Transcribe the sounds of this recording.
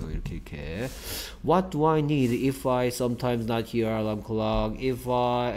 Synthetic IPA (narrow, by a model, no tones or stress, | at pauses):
kʰekʰḛ | wɔt̚d̥əaɪnidɪfaɪsʌ̃mtʰãɪ̃mznət̚hilãŋkʰlɔɡɪfa